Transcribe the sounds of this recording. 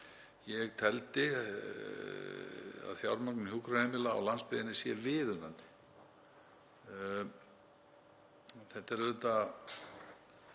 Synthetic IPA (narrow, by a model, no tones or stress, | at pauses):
jɛɣt̪ʰɛlt̪ɪ | a̰ðfjawɾmaknhukɾahɛmɪla̰ːwlanspɪðɪnɪsjɛvɪðʏnant̪ɪ̥ | θɛht̪ːɛɾʏt̪a